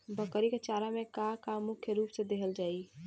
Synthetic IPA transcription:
bəkəɾiket͡ʃaɾamekakamukʰjəɾupsed̪eɦəld͡ʒai

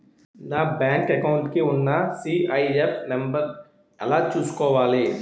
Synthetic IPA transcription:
nabɛːŋkekaʊɳʈkeʊnːasiːaːiepʰnɐ̃mbəɾ | ɐlat͡ʃuskoʋaːleː

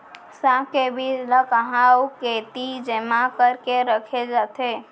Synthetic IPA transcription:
sãkebiləkəɦawket̪id͡ʒemãkəɾkeɾəkʰed͡ʒat̪ʰe

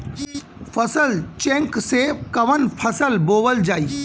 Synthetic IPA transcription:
pʰəsəlt͡ʃẽŋksekɐʋənpʰɐsəlboːʋəld͡ʒaːiː

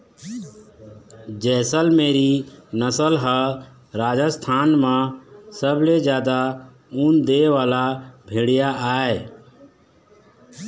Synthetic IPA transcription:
d͡ʒɛːsəlmeːɾinəsəlɦə | ɾaːd͡ʒəst̪ʰaːnmãsəbled͡ʒjaːd̪a | und̪eːʋaːlabʱeɽɪjaʔaːe

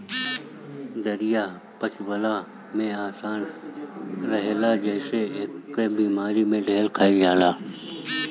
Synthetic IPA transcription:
d̪əɾijaː | pət͡ʃʋəlaː | mẽaːsaːn | ɾɐɦelaːd͡ʒəːseɦɪkbiːmaːɾimẽːɖʱeːlkʰaːid͡ʒaːlaː

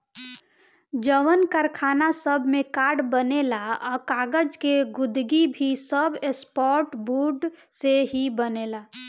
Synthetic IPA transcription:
d͡ʒəʋənkəɾkʰanasəbʱmekaɾɖbənelaɔkaɡəd͡ʒkeɡʊd̪ɡibʱisəbespɔɾʈbuɖ | seɦibənela

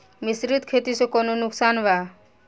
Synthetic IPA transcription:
misɾit̪kʰet̪isokɔnonʊksaːnʋa

